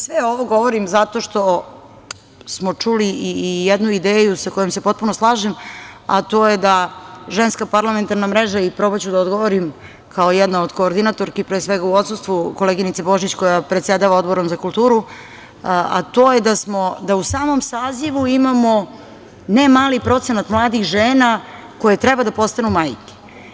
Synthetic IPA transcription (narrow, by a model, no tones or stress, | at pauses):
sʋeo̞ʋoɡo̞ʋoɾimzat̪o̞ʃt̪o̞ | smo̞t͡ʂuliiːjed̪nuid̪eːjusako̞jomse̞po̞t̪̚punoslˠaːʒema̰t̪o̞ːjed̪aʒenskapaɾlˠame̞nt̪aɾnamɾeʒaipɾobat͡ɕud̪aod̪ɡoʋoɾim | kʰaojɛd̪naod̪ko̞ːɾd̪inat̪oɾkipɾeːsʋeɡauo̞t̪sust̪ʋuko̞leɡinit̪sebo̞ʒit͡ɕko̞japɾet̪sjed̪aʋaod̪bo̞ɾomzakulˠt̪uːɾu | a̰t̪o̞ːjed̪asmo̞d̪ausaːmo̞msaːziʋuimamo̞ | nemaːlipɾo̞t̪se̞nat̪mlˠaːd̪ixʒeːna | ko̞jet̪ɾɛbad̪apo̞st̪anumaːjke̥